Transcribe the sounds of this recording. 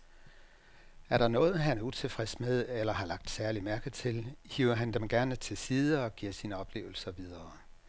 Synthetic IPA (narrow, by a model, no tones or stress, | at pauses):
æɐɾɑ̈nɔ̽ːð̞̩ˠɦænæɐut͡sʰe̝fʁɛsmeðˠelɐɦɑ̈lɑ̈ɡ̥̚d̥sæɐlimæɐɡ̥ð̩ˠt͡sʰe̝lhiʊ̰ɐɦænd̥emɡ̥æɐnət͡sʰe̝siːð̞ˠəɒ̽ɡ̥iɐ̰siːnəɒ̽b̥le̝̰ːʊl̩sɐʋið̞ˠɐː